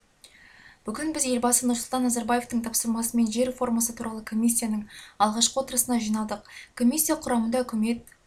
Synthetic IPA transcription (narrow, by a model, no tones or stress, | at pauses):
b̥ʏkʲɪnbɪzje̞lbɑsənʊɾsʊlˠt̪ɑnːazɑɾbaje̞ft̪əɴt̪ʰɑpsəɾmɑsəme̞nʒe̞ɾfo̞ɾmɑsət̪ʰuɾɑlˠəkʰo̞mʲijs̬ʲːijanəɴɑlˠʁɑʃqəwot̪əɾəsənɑʒijnɑlˠd̪əq̚kʰo̞mʲijsʲːijaqʰʊɾɑmənd̪ɑɵkʲɪme̞t̪̚